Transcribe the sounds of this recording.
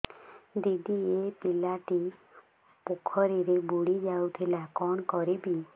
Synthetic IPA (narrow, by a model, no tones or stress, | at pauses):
d̪iɖiepilaʈi | pukʰɔɾiɾebuɽid͡ʒawt̪ʰilakɔnkɔɾibi